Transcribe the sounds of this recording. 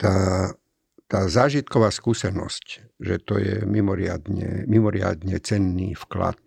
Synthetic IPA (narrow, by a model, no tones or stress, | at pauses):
t̪aː | t̪aːzaːʒit̪kɔʋaːskuːsɛnɔ̰scʒɛt̪ɔjɛmimɔɾɪad̪ɲɛ̰mimɔɾɪa̰d̪ɲɛt͡sɛnːiːfkla̰t̪̚